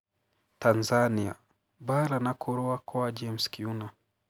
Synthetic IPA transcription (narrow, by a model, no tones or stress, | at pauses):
tanzania̰ | baɾanakʰɔɾɔakɔad͡ʒɛmskiuna